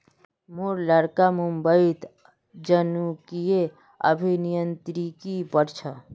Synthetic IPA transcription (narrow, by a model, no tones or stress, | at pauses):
moɾləɽkamumbəit̪ | d͡ʒənukie | ə̰bʱinijənt̪ɾikipəɾt͡ʃʰa